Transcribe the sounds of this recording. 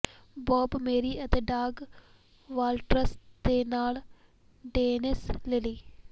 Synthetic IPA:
boːbmeːɾiʔɐt̪eːɖaːɡ | ʋaːlʈɾɐst̪eːnaːɭ | ɖeːnislɪli

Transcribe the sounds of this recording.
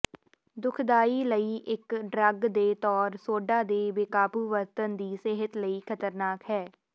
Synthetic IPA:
d̪ʊkʰd̪aːiːləiːʔɪkɖɾəɡd̪eːt̪ɔːɾsoːɖaːd̪eːʋɪkaːpuːʋəɾt̪ənd̪iːseɦət̪ləiːkʰət̪əɾnaːkɦɛː

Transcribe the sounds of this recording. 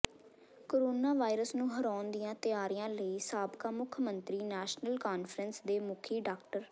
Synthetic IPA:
koːɾoːnaːʋaːɪɾəsnũːɦəɾaːnd̪ijãːt̪ɪaːɾɪjãːləiːsaːbkaːmʊkʰmənt̪ɾiːnɛːʃnəlkaːnfʰɾənsd̪eːmʊkʰiːɖaːk̚ʈəɾ

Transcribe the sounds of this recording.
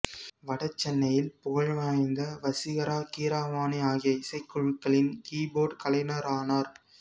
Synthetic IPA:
ʋɐɽɐt͡ʃːɛnːɐjɪlpʊɣɐɻʋaːjɐnd̪ɐʋɐsɪɣɐɾaːkiːɾaːʋaːniaːɣɪjɐɪsɐɪkːɯɻɯkːɐɭɪnkiːboːɖkɐlɐɪnɐɾaːnaːɾ

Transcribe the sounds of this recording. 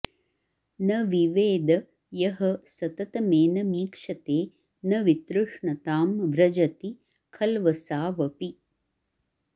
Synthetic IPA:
nɐʋiʋeːd̪ɐ | jɐɦɐsɐt̪ɐt̪ɐmeːnɐmiːkʂɐt̪eː | nɐʋit̪ɾuʂɳɐt̪aːmʋɾɐd͡ʒɐt̪i | kʰɐlʋɐsaːʋɐpi

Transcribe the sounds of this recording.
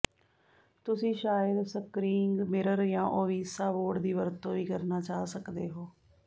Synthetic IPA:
t̪ʊsĩːʃaːjəd̪səkɾiːŋɡmɪɾəɾjãːʔoːʋiːsaːʋoːɖd̪iːʋəɾt̪õːʋiːkəɾnaːt͡ʃaːsəkd̪eːɦoː

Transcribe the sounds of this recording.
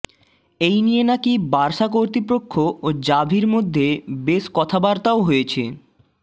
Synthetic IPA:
ejnienakibaɾʃak̬oɾt̪ipɾokʰːood͡ʑabʱiɾmod̪ʱːebeʃkɔt̪ʰabaɾt̪aoɦojet͡ɕʰḛ

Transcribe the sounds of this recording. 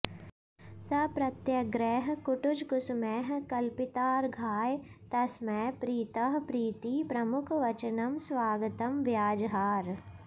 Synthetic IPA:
sɐpɾɐt̪jɐɡɾɛːɦkʊʈʊd͡ʒkʊsmɛːɦkɐlpɪt̪aːɾɡʱaːjt̪ɐsmɛpɾiːt̪ɐɦpɾiːt̪ipɾɐmʊkʰʋɐt͡ʃənɐmswaːɡət̪ɐmʋjaːd͡ʒɦaːɾ

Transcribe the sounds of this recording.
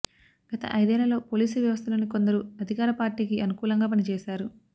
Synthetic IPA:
ɡ̥ɐt̪ɐ̰ʔɐjd̪ɛːlːɐlo̞ːpo̞ːliːsuʋjɐʋɐs̬t̪ʰɐlo̞ːniko̞nd̪ɐɾuɐd̪ʱikaːɾɐpaːɾʈiːkiɐnukuːlɐŋɡaːp̬ɐnit͡ʃɛːʃaːɾu

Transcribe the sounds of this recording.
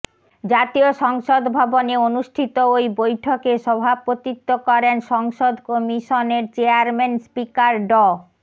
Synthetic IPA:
d͡ʑat̪ioʃɔŋʃod̪bʱɔboneonuʃʈʰit̪oojbojʈʰokeʃɔbʱapot̪it̪ːokɔɾenʃɔŋʃod̪ʱkɔmiʃoneɾt͡ɕeaɾmenspikaɾɖɔ

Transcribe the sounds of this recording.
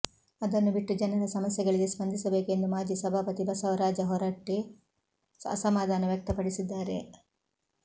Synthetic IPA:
ɐd̪ɐnːubiʈːud͡ʒɐnɐɾɐsɐmɐsjɛɡɐɭiɡespɐnd̪ʱisɐbe̞ːke̞nd̪umaːd͡ʒisɐbʱaːpɐt̪ibɐsɐʋɐɾaːd͡ʒɐɦɔɾaːʈːi | ɐ̰sɐmaːd̪ʱaːnɐʋjɐk̚t̪ɐpɐɽisid̪ːaːɾe̞

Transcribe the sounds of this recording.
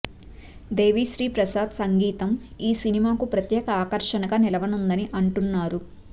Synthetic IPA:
d̪e̞ːʋiːʃɾiːpɾɐsaːd̪sɐŋɡiːt̪ɐmiːsinimaːkupɾɐt̪jɛːkɐaːkɐɾʂɐnɐɡaːnilɐʋɐnund̪ɐniʔɐɳʈunːaːɾu

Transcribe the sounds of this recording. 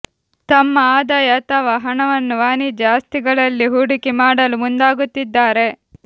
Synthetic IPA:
t̪ɐmːɐaːd̪ɐjɐt̪ɐʋɐɦɐɳɐʋɐnːuʋaːnid͡ʒaːst̪iɡɐɭɐlːiɦuɽikimaːɽɐlumund̪aːɡut̪ːid̪ːaːɾe̞

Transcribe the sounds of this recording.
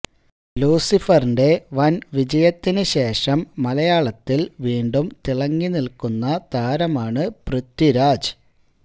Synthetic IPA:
luːsifɐrɳɖe̞ʋɐnʋid͡ʑɐjɐt̪ːinɨɕe̞ːʂɐmːɐlɐjaːɭɐt̪ːilʋiːɳɖumt̪iɭɐŋːinilkunːɐt̪aːɾɐmaːɳɨprɨt̪ːiɾaːd͡ʑɨ

